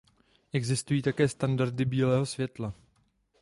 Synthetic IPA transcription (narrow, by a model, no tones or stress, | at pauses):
ʔɛɡzɪst̪ujiːt̪akɛːst̪andaɾd̪ɪbiːlɛːɦo̞svjɛt̪la